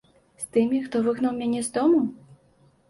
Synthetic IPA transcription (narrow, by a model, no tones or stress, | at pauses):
st̪ɨmʲixt̪ɔvɨɣnɐwmʲanʲɛzd̪ɔmu